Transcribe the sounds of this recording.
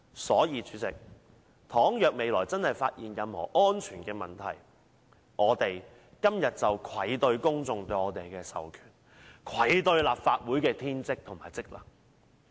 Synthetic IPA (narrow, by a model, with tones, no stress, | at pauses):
sɔː˨˥jiː˧t͡ʃʰyː˨˧˥t͡sɪ̰˨k̚ | t̪ʰɔː˨˥ŋjœː˨k̚me˨˧jlɔː˨˩jt͡sɐ˥nhɐ˨˩jfaː˧t̚jiː˨njɐ˨mhɔ̰ː˨˩ʔɔː˥nt͡ʃʰyː˨˩nkɛː˧mɐ˨˩nt̪ʰɐ̰˨˩j | ʔɔː˨˧t̪e˨j | kɐ˥mjɐ˨t̚t͡sɐ˨wkʰwɐ˨˥jt̪ɵ˧ɥkʊ˥ŋt͡sʊ˨˧ŋt̪ɵ˧ɥɔː˨˧t̪e˨jkɛː˧sɐ̰˨wkʰy̥ː˨˩n | kʰwɐ˨˥jt̪ɵ˧ɥlaː˨p̚faː˧t̚wuː˨˥jkɛː˧t̪ʰiː˥nt͡sɪ˥k̚t̪ʰʊ˨˩ŋmaː˨˩jt͡sɪ˥k̚lɐ̰ː˨˩